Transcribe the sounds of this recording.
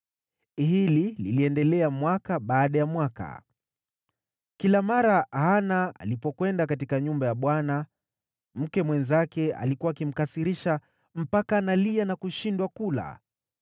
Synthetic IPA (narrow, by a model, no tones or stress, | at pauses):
hilililiɛndɛlɛamwakaɓaːɗajamwaka̰ | kilamaɾahanaa̰lipɔkwɛndakatikaɲumbajaɓwana | m̩kɛmwɛnzakɛa̰likuwakim̩kasiɾiʃa | m̩pakanalianakuʃindwakula̰